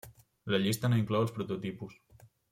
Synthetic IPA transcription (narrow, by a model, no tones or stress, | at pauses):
ləʎist̪ənaiŋklɔwəlˠspɾut̪ut̪ipus